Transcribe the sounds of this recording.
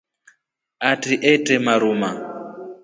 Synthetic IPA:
atʼiʔɛtʼɛmaɾuma

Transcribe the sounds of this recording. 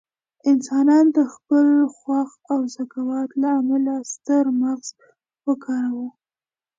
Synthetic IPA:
ɪnsɑnɑnd̪əxpəlxwax | awzakawɑt̪laːmalast̪əɾmaɣz̥ | wəkʰɑɾawu

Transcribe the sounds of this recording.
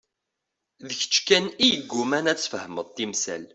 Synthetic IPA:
ðəçə̥t͡ʃːkænijəɡːumænæt͡sːfəhəməðˤt̪imsæ̰l

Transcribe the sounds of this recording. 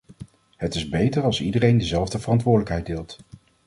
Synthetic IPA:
ɦətɪzbejtəɹɑlˠsidərejndəzɛlˠvdəvərɑntʋʊːɹdələkɦɛjdɪːlˠt

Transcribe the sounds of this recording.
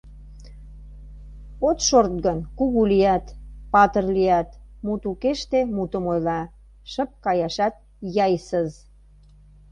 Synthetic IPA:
ot̪ʃort̪̚ɣənkuɣulijæt̪pɑt̪ərliæt̪mut̪ukeʃt̪emut̪əmojlɑ | ʃə̆p̚kɑjɑʃɑt̪̚ | jɑjsəz

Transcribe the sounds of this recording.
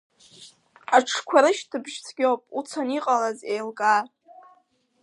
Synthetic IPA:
aʈ͡ʂʰkʷʰaɾɨʃtʰɨbʒt͡sʰɡʲowpʼut͡sʰaniqʼalazejlɡʼa

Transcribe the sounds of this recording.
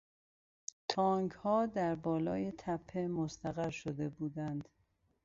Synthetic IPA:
t̪ʰɒːŋɡhɒːd̪æɾbɒːlɒ̰ːje̞t̪ʰæpʰːemost̪ʰæɣæɾʃod̪e̞buːd̪ænd̪̥

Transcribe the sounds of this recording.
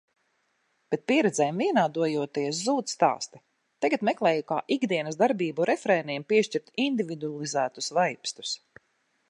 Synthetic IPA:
b̥et̪̚piɛɾɛd̪zɛːjmviɛnaːd̪uɔjuɔt̪iɛs̬zuːt̪sst̪a̰ːst̪i̥ | t̪aɡat̪mɛklˠɛːjuka̰ːʔiɡd̪iɛnɐs̬d̪aɾbiːbuɾɛfɾɛːniɛmpiɛʃt͡ʃiɾt̪ind̪ivid̪ualˠizæːt̪usvajpst̪u̥s

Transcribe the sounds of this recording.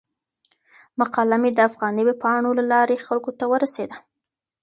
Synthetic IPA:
maqɑlamed̪əafɣɑniwepɑɳolalɑɾexalkot̪awəɾased̪a

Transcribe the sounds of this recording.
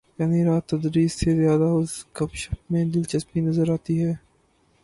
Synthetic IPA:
jaːniɾaːt̪ːɐd̪ɾiːsːezjaːd̪aʊskɐpʃəmẽd̪ɪlt͡ʃɐspinɐzəɾaːt̪iɦɛː

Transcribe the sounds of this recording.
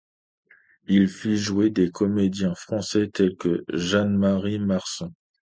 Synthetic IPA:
ilfiʒwed̪ekɔmed̪jɛ̃fχɑ̃sɛt̪ɛlkəʒãnmaʁimaʁsɔ̃

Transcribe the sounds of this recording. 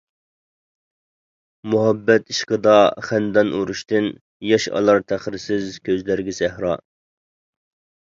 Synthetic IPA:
muɦɑbːɛt̪iʃqəd̪ɑχænd̪ɑnʔuɾuʃt̪ɪn | jɑʃɑ̰lˠɑɾt̪ʰæχɾɪsɪzkʲʰøzlæɾɡʲɛsɛhɾɑ̰

